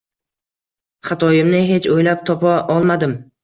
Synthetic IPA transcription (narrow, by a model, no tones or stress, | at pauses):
χat̪ʰɒjɪmnɪɦe̞t͡ʃʰojlap̚t̪ʰɒpaʔɒlˠmad̪ɪm